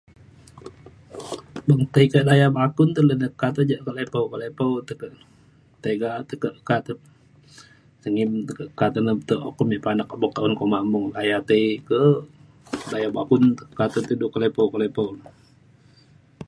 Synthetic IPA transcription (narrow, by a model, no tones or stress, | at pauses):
bəŋt̪əikədajabakunt̪ələnəkːat̪əd͡ʒaʔkəlepəwkəlepəwt̪əkəʔ | t̪eɡaʔt̪əkəʔkat̪ə | səŋimt̪əkəʔkat̪ənət̪əʔo̰kəmiʔpanak̚abɔk̚t̪aunkomamuŋlajat̪əikə | dajabakunt̪əkat̪ət̪əduʔkəlepəwkəlepəw